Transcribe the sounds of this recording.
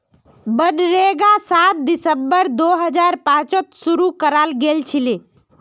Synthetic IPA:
bənɾeɡasat̪̚d̪isəmbəɾd̪oɦəd͡ʒaɾpãt͡ʃət̪suɾukəɾalɡelt͡ʃʰile

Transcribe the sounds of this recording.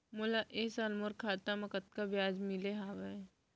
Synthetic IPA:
mʊlaʔeːsaːlmoɾkʰaːt̪amɐkət̪̚kabjaːd͡ʒmɪleɦaːʋe

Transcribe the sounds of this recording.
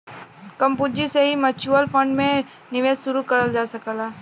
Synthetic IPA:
kɐ̃mpʊd͡ʒiseɦimɐt͡ʃuəlfʰə̃ɳɖmẽ | nɪʋeːzsʊɾukɐɾəld͡ʒaːsɐkəlaː

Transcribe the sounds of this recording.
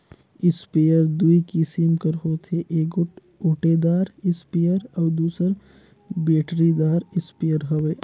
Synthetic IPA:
ɪspejəɾd̪uikisimkəɾɦoːt̪ʰeʔeːk | oːʈed̪aːɾɪspejəɾɔːd̪uːsəɾ | beːʈɾid̪aːɾɪspeːjəɾɦɐʋeː

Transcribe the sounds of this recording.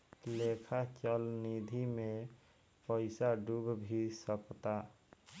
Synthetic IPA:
lekʰat͡ʃəlnid̪ʱime | pəɪsaɖubʱbʱisəkt̪a

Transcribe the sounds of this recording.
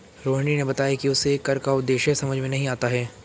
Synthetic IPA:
ɾoːɦɳ̃inebɐt̪aːjakiʊsekɐɾkaʊd̪ːeːʃesɐməd͡ʒʱmẽnɐɦĩaːt̪aɦɛː

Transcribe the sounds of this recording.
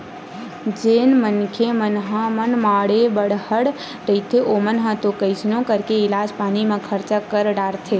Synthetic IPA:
d͡ʒeːnmənkʰemənɦãmənmaːɽebəɽhəɽ | ɾəit̪ʰeʔoːmənɦãt̪okəɪsnõkəɾkeɪlaːd͡ʒpaːnimãkʰəɾt͡ʃakəɾɖaːɾt̪ʰe

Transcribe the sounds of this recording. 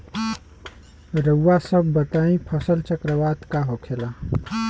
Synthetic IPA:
ɾəːasəbːət̪aĩpʰəsəlt͡ʃəkɾəʋat̪kaɦokʰela

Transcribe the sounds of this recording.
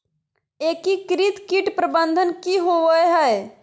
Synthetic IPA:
eːkikɾit̪kiːʈpɾəbənd̪ʱənkiɦoʋəjɦɛe

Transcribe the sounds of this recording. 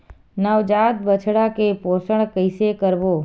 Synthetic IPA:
nəʋd͡ʒat̪̚bət͡ʃʰɽakeposəɳ̃kəɪsekəɾʋo

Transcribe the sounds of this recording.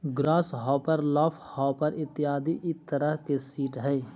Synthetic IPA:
ɡɾaːsɦɔːpəɾlɔːpʰhɔːpəɾɪt̪ːɪjaːd̪iʔɪt̪ːəɾəɦkesiːʈɦɛː

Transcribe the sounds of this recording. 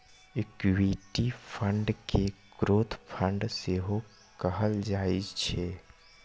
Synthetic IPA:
ɪkʋiʈipʰəɳɖkeɡ̥ɾoːt̪ʰpʰəɳɖseɦo | kəɦəld͡ʒaːid͡ʒt͡ʃʰeː

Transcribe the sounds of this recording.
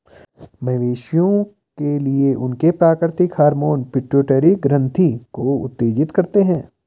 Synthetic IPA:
mɐɦʋeːʃjõ | kelieʔʊnkepɾaːkɾɪt̪ɪkhaːɾmoːnpɪʈɾoːʈəɾiɡɾə̃nt̪ʰikoʊ̰t̪ːeːd͡ʒɪt̪kɐɾt̪eɦɛ̃ː

